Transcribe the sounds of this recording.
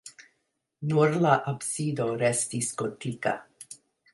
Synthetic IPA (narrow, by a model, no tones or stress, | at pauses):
nuɾlaʔapsid̪oɾɛst̪iskotʰika̰